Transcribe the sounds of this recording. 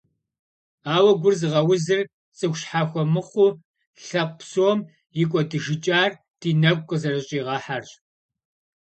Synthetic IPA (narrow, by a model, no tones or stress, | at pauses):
aːwɐɡʷʊrzɨʁɐwʊzɨr | t͡sʼɨxʷɕħaːxʷɔmɨχʷuː | ɬɐq̚ʷsoːm | jɪkʷʼɔdɨʒɪt͡ʃʼaːr | d̥iːnɐkʷʼqʼəzɐrɨɕʼiːʁɑːħarɕ